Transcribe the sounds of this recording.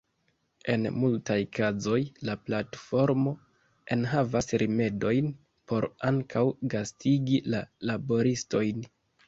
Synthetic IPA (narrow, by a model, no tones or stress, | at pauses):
e̞̰nmultajkazo̞jlaplatfo̞ɾmo̞ | e̞nɦavasɾʔime̞do̞jn | pʰo̞ɾaŋkʰawɡastʰiɡilalabo̞ɾisto̞jn